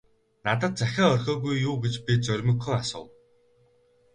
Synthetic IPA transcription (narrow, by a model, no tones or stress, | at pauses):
nat̪̬ə̆t̪̚t͡sæxʲaːœrʲxʲɔːɣujːuːɡet͡ɕpʲit͡sœɾʲmɵ̆kːɵ̆ŋasʊ̰ːw